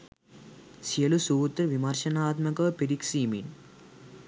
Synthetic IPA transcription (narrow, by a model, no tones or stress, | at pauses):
siɐlusuʋut̪ɾʋimɐɾʃɐnaːt̪mɐkɐʋpeɾiksiːmḭn